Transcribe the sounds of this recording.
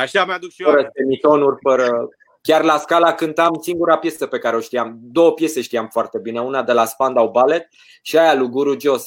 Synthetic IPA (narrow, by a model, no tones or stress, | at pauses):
aʃamad̪uʃəɾəsemit̪o̞nurʲfəɾə | kʲarlaskalakɨnt̪amsiŋɡuɾapje̞səpe̞kaɾe̞o̞ʃt̪iamd̪o̞wəpje̞se̞ʃt̪iamfoart̪e̞bineunad̪e̞laspand̪awbale̞t̪̚ | ʃiajaluɡuɾud͡ʒo̞s